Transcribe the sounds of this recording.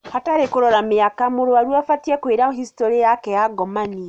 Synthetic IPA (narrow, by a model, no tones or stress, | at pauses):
hataɾekuɾolamijakamuɾuaɾwwafatiekwiɾauhistoɾijakejaɡomani